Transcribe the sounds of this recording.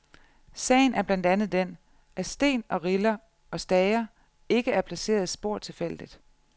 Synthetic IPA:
sɛ̰ɪn̩æɐb̥lænd̥ænð̞̩ˠd̥en | ʔæsd̥e̝̰ːnɒ̽ʁilɐ | ɒ̽sd̥ɛɪɐ | e̝ɡ̥əæɐpʰlæse̝̰ːɐðˠisb̥o̝ɐ̰t͡sʰe̝lfel̰d̥id̥

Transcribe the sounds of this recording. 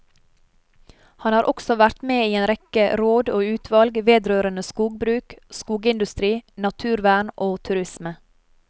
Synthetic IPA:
hɑnhɑːɾʔɔksɔʋæɾt̪meːiːeːnɾɛkəɾoːd̪oːʉːt̪ʰʋɑlɡʋeːd̪ɾøːɾənəskuːɡ̚bɾʉːkskuːɡəɪnd̪ʉst̪ɾiːnɑt̪ʰʉːɾʋæːɳʔoːt̪ʰʉɾɪsmə

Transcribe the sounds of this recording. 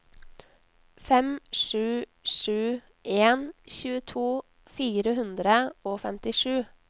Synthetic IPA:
fɛmʂʉːʂʉː | ʔeːnçʉːət̪ʰuː | fiːɾəhʉnd̪ɾəoːfɛmt̪ɪʂʉː

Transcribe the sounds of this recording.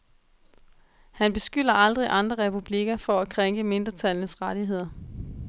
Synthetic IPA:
hænb̥e̝sɡ̥yl̰ɐʔɑ̈ld̥ʁiʔɑ̈nd̥ʁɐʁɛpʰub̥liɡ̥ɐfɒ̽ækʰʁeŋɡ̥əme̝nd̥ʁɐt͡sʰælnəsʁɑɾ̥iɦe̝ð̞̰ˠɐ

